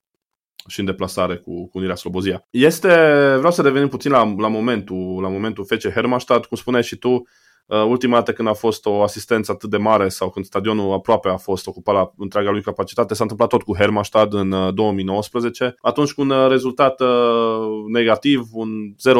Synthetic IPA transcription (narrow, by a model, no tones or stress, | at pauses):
ʃiɨnd̪e̞plasaɾe̞kukuːniɾeaslo̞bo̞zijaje̞st̪e̞vɾeawsəɾevenimput̪sinlalamo̞me̞nt̪ulamo̞me̞nt̪ufe̞t͡ʃeɦeɾmaʃt̪ad̪kumspuneʃit̪u | əult̪imad̪at̪əkɨnd̪afo̞st̪o̞asist̪e̞nsəat̪ɨt̪̚d̪e̞maɾe̞sawkɨnd̪st̪ad̪io̞nuapɾoape̞afo̞st̪o̞kupalaɨnt̪ɾeaɡalujkapat͡ʃi̥t̪at̪esanɨmplat̪ːo̞t̪̚kuɦermaʃt̪ad̪ɨnd̪o̞wəmijno̞wəspɾəze̞t͡ʃe̞at̪unt͡ʃʲkuunre̞zult̪at̪ə | ne̞ɡat̪ivunze̞ɾo